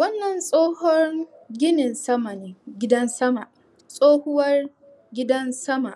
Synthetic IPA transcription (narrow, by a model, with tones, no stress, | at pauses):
wɐ˦nːɐ˨nsʼoː˦hɔ˦ŋ | ɡʲɪ˦nɪ˨nsɐ˦ma˨niː˨ɡʲɪ˦dɐ˦nsɐ˦ma˨ʔ | sʼoː˦hʊ˦wɐ˦r | ɡʲɪ˦dɐ˦nsɐ˦ma̰˨ʔ